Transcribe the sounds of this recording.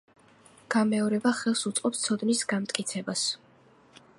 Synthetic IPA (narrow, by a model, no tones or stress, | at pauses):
ɡ̥amɛɔɾɛbaχɛlˠsut̪sʼqʼɔpst̪sʰɔd̪nisɡamt̪ʼkʼit̪sʰɛbas